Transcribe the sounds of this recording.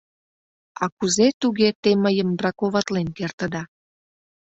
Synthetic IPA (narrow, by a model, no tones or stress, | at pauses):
ɑkuzet̪uɣet̪eməjəmbrɑkoβɑt̪lenkert̪ə̆d̪ɑ